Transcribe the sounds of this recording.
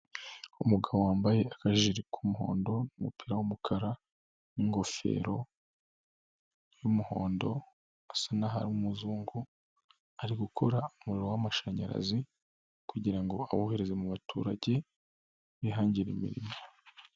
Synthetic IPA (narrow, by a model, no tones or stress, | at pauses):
umuɡaβowaːmbaje̞akaʒiɾikʰumuɦo̞̰ːndo̞numupiɾawumukʰaɾa | niŋɡo̞fe̞̰ːɾo̞ | jumuho̞̰ːndo̞ | asanaɦaɾiumuzuːŋɡu | aɾiɡukʰo̞ɾaumuɾiɾowamaʃaɲa̰ɾa̰zi | kuɟiɾaŋɡo̞a̰woːheɾe̞ze̞muβatʰṵːɾaɟe̞ | βiɦaːɲɟiɾimḭɾḭmo